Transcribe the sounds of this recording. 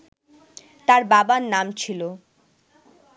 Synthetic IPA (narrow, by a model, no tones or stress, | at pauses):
t̪aɾbabanːamt͡ɕʰilo